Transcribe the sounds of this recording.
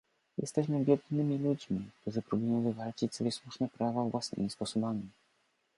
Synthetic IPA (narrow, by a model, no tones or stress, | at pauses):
jɛ̰st̪ɛɕmɘvʲjɛd̪nɘmʲilud͡ʑmʲik̚t̪uʐɘpɾubujɔ̃w̃vɘvalt͡ɕit͡ɕsɔbʲjɛswuʂnɛpɾavavwʔasnɘ̰mʲispɔsɔbamʲi